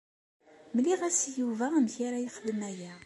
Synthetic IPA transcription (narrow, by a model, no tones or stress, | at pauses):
mliʁæsjuvæmçaɾajəχələmæjæ